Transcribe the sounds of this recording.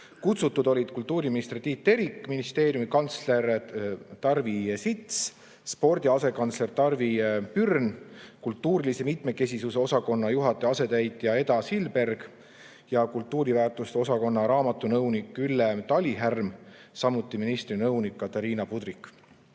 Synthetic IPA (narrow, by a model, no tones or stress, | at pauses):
kut̪sut̪ːud̪o̞lʲid̪̥̚kult̪ːuːɾiminist̪rt̪iːt̪ːe̞ɾikːˑminist̪e̞ːɾjumikɑnt̪sle̞rt̪ɑrvisit̪s | spo̞rd̪̥ʲiɑse̞kɑnt̪sle̞rt̪ɑrvipyrnkult̪ːˑuːɾilise̞mit̪me̞ke̞sʲisuse̞o̞sɑko̞nːɑjuɦɑt̪ːˑe̞ɑse̞t̪æjt̪jɑe̞d̪ɑsilbe̞rɡ̥ | jɑkult̪ˑːuːɾivæːrt̪ust̪eo̞sɑko̞nːɑɾɑːmɑt̪ːˑunɤwnikːˑylːet̪ɑlʲiɦærmsɑmːut̪ːˑiminist̪rinɤwnikːɑt̪ɑɾiːnɑpud̪ɾikːˑ